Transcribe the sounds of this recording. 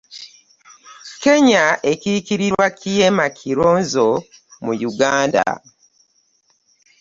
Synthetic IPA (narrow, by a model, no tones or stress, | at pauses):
ke̞ɲaʔe̞kikiɾiɾwakʰijemakʰiɾoːnzomujuɡaːnda̰